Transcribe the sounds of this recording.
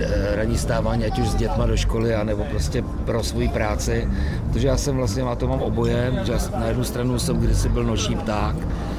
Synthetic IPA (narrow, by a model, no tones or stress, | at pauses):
ɾaɲiːst̪aːvaːɲiːacuʒzɟɛt̪madoʃko̞lɪanɛbo̞pɾoscɛ | pɾo̞svo̞jiːpɾaːt͡sɪ | ɾot̪oʒɛjaːsɛmvlast̪ɲɛmat̪omaːmʔobo̞jɛʒɛjaːsnajɛdnust̪ɾanusɛmɡdɪsɪbɪlno̞ʃiːpt̪aːk